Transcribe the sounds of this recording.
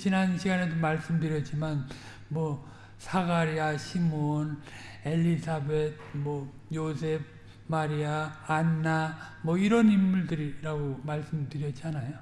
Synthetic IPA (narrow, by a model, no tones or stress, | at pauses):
t͡ɕinanɕʰiɡane̞domaɭs͈ɯmdɯɾjʌd͡ʑ͈iman | mwʌ | sʰaɡaɾiaɕʰimon | e̞ʎːisʰabed̚mwʌ | josʰe̞b̚ | maɾiaːnːamwʌiɾʌnimːuɭdɯɾiɾaɡomaɭs͈ɯmdɯɾjʌt͡ɕianajo